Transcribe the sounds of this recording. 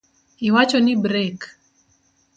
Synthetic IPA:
iwat͡ʃɔnibɾek

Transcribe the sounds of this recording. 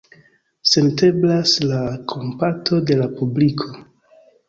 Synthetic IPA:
se̞nte̞blaslakʰo̞mpatʰo̞de̞lapublikʰo̞

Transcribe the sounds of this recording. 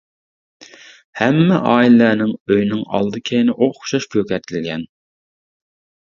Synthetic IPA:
hɛmːɪʔɑːilɪlænɪŋøjnɪŋɑ̰lˠd̪ɨkʲʰejnɪʔoχʊ̥ʃɑʃkʰʲøkʲɛt̪ʰɪlɡʲɛn

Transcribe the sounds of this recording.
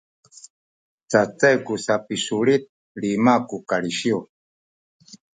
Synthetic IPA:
t͡sat͡sɛɡusapisuɺit̪̚ | limakukaliʃiɔ

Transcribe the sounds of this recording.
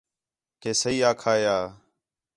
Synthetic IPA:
keːsəiːaːkʰaːjaː

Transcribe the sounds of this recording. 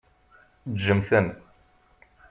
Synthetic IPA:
d̪ʒəmθən

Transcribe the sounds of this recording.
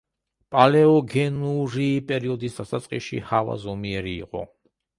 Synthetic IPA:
pʼalɛɔɡɛnuɾiːpʼɛɾiɔd̪isd̪asat̪sʼqʼiʃḭhava̰zɔmiɛɾḭːqʼɔ̰

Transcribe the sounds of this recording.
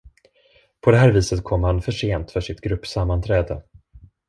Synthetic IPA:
pʰɔd̪ɛɦæːɾviːsət̪kʰɔmːhanfœʂeːnt̪fœʂɪt̪ɡɾɵpːsamːant̪ʰɾɛːd̪ə

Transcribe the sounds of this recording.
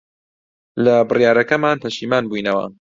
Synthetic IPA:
lɐbɨrjaːɾɐkɐmaːnpʰɐʃiːmaːnbujnɐwɐ̰

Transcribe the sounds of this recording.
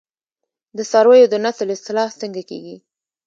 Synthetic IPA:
d̪əsɑɾwəjod̪ənaslɪst̪ɪlɑhst̪əŋɡakḛɡi

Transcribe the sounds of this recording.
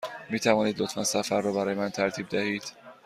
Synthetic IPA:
miːt̪ʰævɒːniːd̪lot̪fænsæfæɾːɒːbæɾɒːjemænt̪ʰæɾt̪ʰiːb̚d̪æhiːd̪̥

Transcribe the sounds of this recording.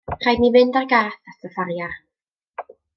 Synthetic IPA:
r̥ajdnivɪndarɡaːθatʰəfarjar

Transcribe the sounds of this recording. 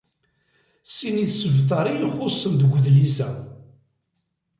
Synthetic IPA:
siniðsəvt̪̬ˤɑɾˤijlχʊsˤːənd̪əɡʷʊðlisæ

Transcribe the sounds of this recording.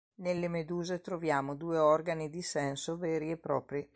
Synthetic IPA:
nelːemed̪uːzet̪ɾovjaːmod̪uːeɔrɡanid̪isɛnsovɛːɾiepːɾɔ̰ːpɾi

